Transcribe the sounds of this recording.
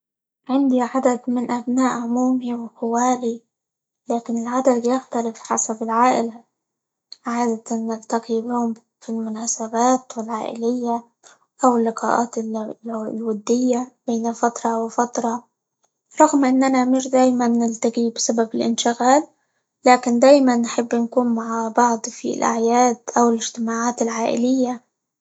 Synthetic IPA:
ʕɪnd̪iʕad̪ad̪mɪnʔabnaːʔʕʊmuːmiwɪqɪwaːli | laːkɪnɪlʕad̪ad̪jaxt̪alɪfħa̰sabɪlʕaːʔɪla | ʕaːd̪at̪anːɪlt̪aqibɪhʊm | filmʊnaːsabaːt̪wɪlʕaːʔɪ̰lɪjːa | ʔawɪlːɪqɑ̰ːʔaːt̪ | lwad̪ːɪjːab̥eːnafat̪ɾˤɑwɪfat̪ɾˤɑ | ɾˤɑɣmʔɪnːanamɪʃd̪aːjmanːɪlt̪aɡibɪsababɪlʔɪ̰nʃɪɣaːlː | aːkɪnd̪aːjmanːħɪbːnkuːnmaʕabɑʕd̪ˤfḭlʔa̰ʕjaːd̪ʔawɪlɪʒt̪ɪmaːʕaːt̪ɪlʕaːʔɪ̰lɪjːa

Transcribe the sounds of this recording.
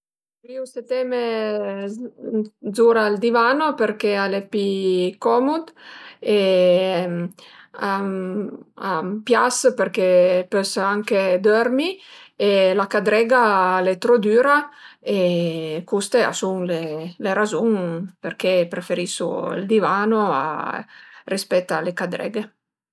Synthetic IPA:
viuŋset̪ɛme | zuɾald̪ivanopeɾkealepikɔmud̪e | a | apjaspeɾkepøsaŋked̪øɾmielakad̪ɾɛɡalet̪ɾod̪yːɾaekust̪ea̰suŋleleɾazuŋperkepɾefeɾisṵḭld̪ivaːnoa̰ | rispɛt̪ːalekad̪ɾɛ̰ɡe

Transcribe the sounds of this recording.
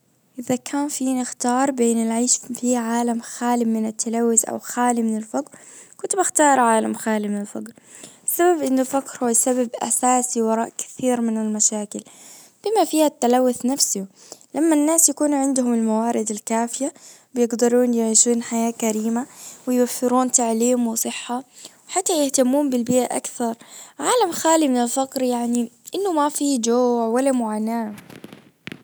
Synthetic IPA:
ʔɪðakʰaːnfiːnɪxt̪ɑːɾˤbeːnɪlʕiːʃfiːʕaːlamxaːlɪmɪnat̪ʰːalawːɪθʔa̰wxaːlimɪnalfaɡɾ | kʊnt̪ʊbaxt̪ɑːɾˤʕaːlamxaːlimɪnalfaɡɾ | ɪsːababʔɪnːʊlfakɾhuːajsababʔa̰saːsiwɑɾˤɑːʔkɪ̥θiːɾmɪnɪlmaʃaːkɪl | b̥ɪmafiːhat̪ːalawːʊθnafsʊ | lʔamːanːaːsjakuːnʕɪnd̪ʊhʊmɪlmawaːɾɪd̪alkaːfɪja | bɪjɪɡd̪ɑɾˤuːnjɪʕiːʃuːnħajaːkaɾiːmawɪjwafːɪɾuːnt̪aʕliːmwɪsˤɨħːawɪħat̪ːajɪht̪amːuːmbɪlbɪːʔaʔa̰kθɑɾˤʕaːlamxaːlimɪnɪlfaqɾjaʕniʔɪnːʊmafid͡ʒoːʕwalːamʊʕaːnaː

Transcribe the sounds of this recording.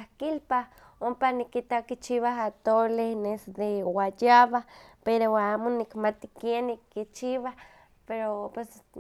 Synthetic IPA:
ahkilpah | ompanikit̪akit͡ʃiβaɦat̪olenesd̪ewajaβahpeɾoaːmonikmat̪i̥kjenːikːit͡ʃiβah | peɾopwes

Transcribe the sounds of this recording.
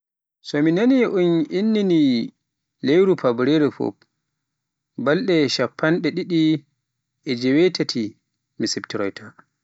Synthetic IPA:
sɔminaniʔuninːini | lejɾupabɾeɾɛfɔ̰p | balɗɛʃapːanɗɛɗiɗi | ʔɛd͡ʒɛwɛtatʰi | misɛptiɾɔjtʰa

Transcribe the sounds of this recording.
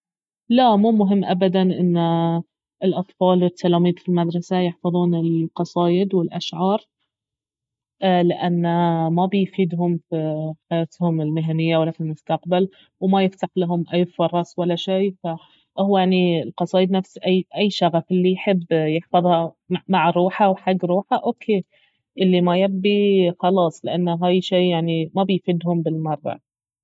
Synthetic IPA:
lamuːmʊɦɪmːʔabad̪anʔɪnː | ɪlʔɑt̪ˤfɑːlwɪt̪ʰːalaːmiːd̪filmad̪ɾˤɑsajɪħfɑðˤuːnɪlqɑsˤɑːjɪd̪wɪlʔaʃʕɑːɾˤ | lɪʔanːamabɪjfiːd̪ɦʊmfiħajaːt̪hʊmɪlmɪɦanɪjːawalːafilmʊst̪aq̚bal | wmajɪft̪aħlaɦʊmʔajːfɑɾˤɑsˤwalːaʃeːfa | ʔhwjaʕnilqɑsˤɑːʔɪd̪nafsiʔajːʔajːʃaɣafʔɪlːijħɪbːjɪħfɑðˤha | maʕɾuːħawħaɡːɾuːħaʔoːkʰeː | ʔɪlːimajabːixɑlɑːsˤlɪʔanːɦaːjʃeːjaʕnimabɪjfiːd̪hʊmbɪlmɑɾˤːɑ̰

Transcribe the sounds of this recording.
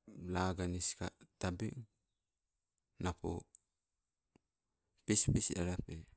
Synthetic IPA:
laɡaniska̰tabḭŋ | napo̰ | pispisa̰ɾape

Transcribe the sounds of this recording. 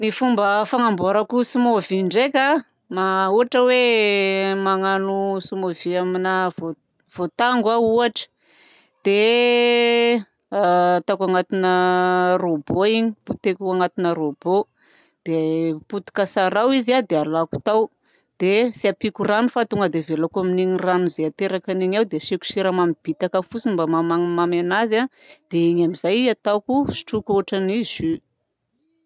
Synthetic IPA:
nifumbəfaŋamboɾakusimoviɳɖ͡ʐekʲa | mauaʈ͡ʂəwe | maŋanusumoviaminavo | v̥ot̪aŋɡwauaʈ͡ʂə̥ | d̪̥e | t̪akaŋat̪inəroboiɲi̥put̪ekʲuaŋat̪inəɾobo | d̪̥eput̪i̥kəsaɾawizad̪ealaku̥t̪aw | d̪̥esiapikuranufat̪uŋəd̪evelakuaminiɲiranuzeat̪eɾakaniɲawd̪eʃiku̥ʃiɾamamib̥it̪akəfut͡sinimbamamamamanaza | d̪̥eiɲamizajat̪akusi̥ʈ͡ʂukoʈ͡ʂanizy

